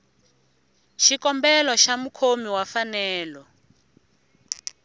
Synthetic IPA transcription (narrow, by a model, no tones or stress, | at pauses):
ʃikɔmbɛlɔʃamukʰomiwafanɛːlɔ